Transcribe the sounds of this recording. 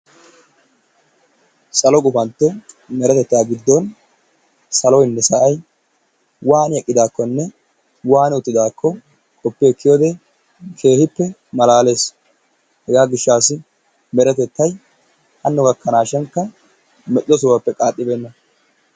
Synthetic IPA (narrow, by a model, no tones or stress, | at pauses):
sɐlɔkʼʊfɐnt̪ːɛ | mɛɾɛt̪ɛt̪ːjaːɡɪd̪ːɔn | sɐlɔjɪnːɛsɐʔɐj | waːnjɛkʼːɪd̪aːkːɔnːɛ | waːnʊt̪ːɪd̪aːkʰːɔ | kʼɔpːeɛkːɪjoːd̪ɛ | kʰe̞ːhɪpːɛmɐlaːle̞ːs | hɛɡaːɡɪʃːaːsɪ | mɛɾɛt̪ɛt̪ːɐj | hɐnːʊɡɐkːɐnaːʃɛŋkːɐ | mɛʔʼɪlɔsʊwɐpːɛkʼaːt̪ʼːɪbe̞ːnːɐ